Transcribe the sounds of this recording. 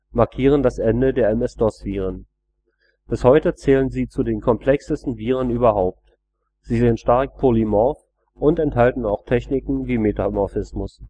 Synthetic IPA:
maɐkʰiːʁ̞əndasʔɛndədeːɐɛmɛsd̥ɔsv̥iːʁən | b̥ɪshɔʏtət͡sɛːlənziːt͡sudeːnkʰɔmpʰl̥ɛksəstn̩viːʁ̞ənyːbɐɦaʊp̚t | z̥iːzeːənʃtaɐk̚pʰolimɔf | ʔʊntɛnthaltn̩aʊxtʰɛçnɪkŋ̩viːmetamɔɐfɪsmʊs

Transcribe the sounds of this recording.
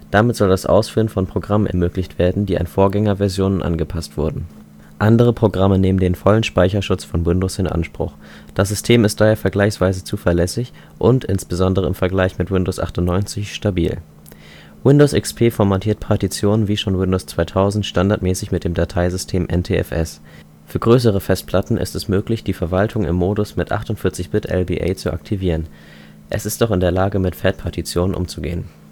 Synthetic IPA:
d̥amɪtz̥ɔldasʔa̰ʊsfyːʁənfɔnpʁ̥oɡʁamənʔɛ̰ɐmøːklɪçtv̥eːɐdn̩diːa̰nfoːɐɡɛŋɐvɛɐzjoːnənʔa̰nɡəpʰastv̥ʊɐdn̩ | ʔandəʁ̞əpʁ̥oɡʁaməneːməndeːnfɔlənʃpaɪçɐʃʊt͡sfɔnwɪndosɪnʔa̰nʃpʁ̥ʊ̰χ | d̥as̬z̥ʏstʰeːmɪst̚d̥aːheːɐfɛɐɡlaɪçsv̥aɪzət͡suːfɛɐlɛsɪç | ʔʊntʔɪnsb̥əzɔndəʁ̞əɪmfɛɐɡlaɪçmɪtwɪndoːsʔa̰χtʊntnɔʏnt͡sɪçʃtabḭːl | wɪndoʊsʔɪkspʰeːfɔɐmatʰiːɐt̚pʰaɐtit͡sjoːnənviːʃoːnwɪndoʊst͡sv̥aɪtʰaʊzn̩tʃtandaɐtmɛːsɪçmɪt̚d̥eːmdatʰaɪzʏstʰeːmʔɛ̰ntʰeːɛ̰fʔɛs | fyːɐɡʁøːs̬əʁ̞əfɛst̚pʰl̥atn̩ʔɪ̰stɛsmøːklɪçd̥iːfɛɐvaltʰʊŋɪ̰mːoːdʊsmɪtʔa̰χtʊntfɪɐt͡sɪçb̥ɪtʔɛ̰lbḭːʔa̰ɪt͡suʔa̰k̚tʰiviːʁ̞ən | ʔɛsɪst̚d̥ɔχɪndeːɐlaːɡəmɪtfɛtpʰaɐtit͡sjoːnənʔʊ̰mt͡suɡḛːən

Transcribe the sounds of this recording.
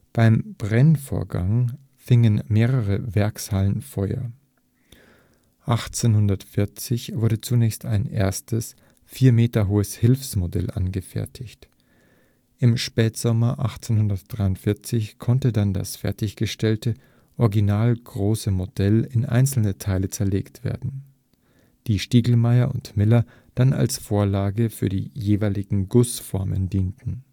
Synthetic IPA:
b̥aɪmb̥ʁɛnfo̰ːɐɡa̰ŋ | fɪŋənmeːʁəʁəvɛɐkshalənfɔʏɐ̰ | ʔaχt͡seːnhʊndɐtfɪɐt͡sɪçv̥ʊɐdət͡sunɛːçstʰaɪnʔḛːɐstəs | fiːɐmeːtɐɦoːəshɪlfsmodɛ̰lʔa̰nɡəfɛ̰ɐtʰɪçt | ʔɪmʃpɛːtz̥ɔmɐʔaχt͡senhʊndɐt̚d̥ʁaɪʊntfɪɐt͡sɪçkʰɔntədanda̰sfɛɐtɪçɡ̥əʃtɛltə | ʔɔɐɡinaːlɡʁoːsəmodɛlɪnʔa̰ɪnt͡sl̩nətʰaɪlət͡sɛɐleːktv̥ḛːɐdn̩ | d̥iːʃtiːɡl̩maɪɐʔʊ̰ntmɪlɐ | d̥ana̰lsfoːɐlaːɡəfyːɐdḭːjeːvaɪlɪɡŋ̩ɡʊsfɔɐmə̰ndiːntn̩

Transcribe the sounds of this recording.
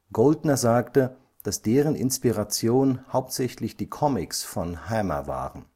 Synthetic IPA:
ɡ̥oldnɐzaːktə | d̥asd̥eːʁənʔɪ̰nspiʁat͡sjoːnhaʊp̚tz̥ɛçlɪçd̥iːkʰɔmɪksfɔnhɛmɐ̰va̰ːʁən

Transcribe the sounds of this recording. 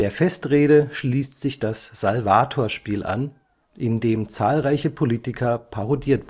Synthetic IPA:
d̥eːɐfɛstʁeːɾəʃliːstz̥ɪçd̥asz̥alvaːtʰoːɐʃpiːlʔa̰n | ʔɪndeːmt͡saːlʁaɪçəpʰoliːtɪkʰɐpʰaʁodiːɐt

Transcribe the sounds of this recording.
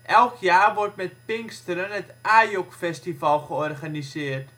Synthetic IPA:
ʔɛlˠkʰjaːrʋɔrtmɛt̚pɪŋkstəɾənətaːjɔkfɛstifɑlˠχəɔrχanisɪːərt

